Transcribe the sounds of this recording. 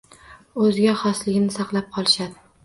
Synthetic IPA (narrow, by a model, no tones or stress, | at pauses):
ɵzɡʲaχɒslɪɡʲnɪsɑqlˠap̚qʰɒlˠɪʃad̪ɪ